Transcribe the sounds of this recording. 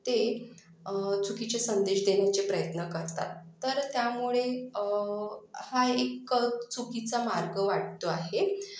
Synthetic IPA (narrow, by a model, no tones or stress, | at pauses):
t̪e | t͡sukit͡ɕesənd̪eɕd̪eɳjat͡sepɾəjət̪nəkəɾt̪a̰t̪ːəɾt̪jamuɭe | haekət͡sukit͡samaɾɡəʋaʈ̚t̪oaɦe